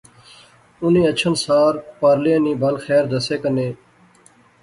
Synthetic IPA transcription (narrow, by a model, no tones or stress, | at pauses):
ʊnĩːət͡ʃʰənsaːɾpaːɾliəːniːbəlxɛːɾd̪əseːkəneː